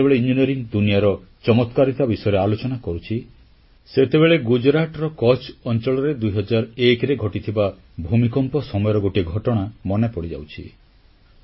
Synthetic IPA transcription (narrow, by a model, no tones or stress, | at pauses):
ebeɭeind͡ʒiniɔɾiŋd̪unijaɾɔt͡ʃɔmɔt̪kaɾit̪abisɔjɔɾealot͡ʃɔnakɔɾut͡ʃʰi | set̪eβeɭeɡud͡ʒɾaʈɾɔkɔt͡ʃɔnt͡ʃɔɭɔɾed̪ujɦɔd͡ʒaɾekɾeɡʱɔʈit̪ʰiba | bʱumikɔmpɔsɔmɔjɔɾɔɡoʈiɡʱɔʈɔɽ̃amɔnepɔɽid͡ʒa̰wt͡ʃʰi